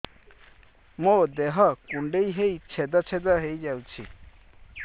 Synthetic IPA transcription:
mod̪eɦɔkuɳɖejɦejt͡sʰed̪ɔt͡sʰed̪ɔɦejd͡ʒawt͡ʃʰḭ

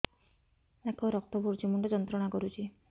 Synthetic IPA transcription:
akʰɔɾɔk̚t̪ɔbuɾd͡ʒimuɳʈɔd͡ʒɔnt̪ɾɔɽ̃akɔɾut͡ʃʰi

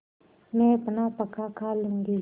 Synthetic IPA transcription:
mepənapəkakʰaluŋɡe

